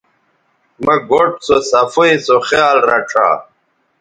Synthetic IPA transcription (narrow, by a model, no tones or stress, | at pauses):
mɐɡoʈsosɐfuĩsoχjaːlɾɐʈ͡ʂʰa̰ː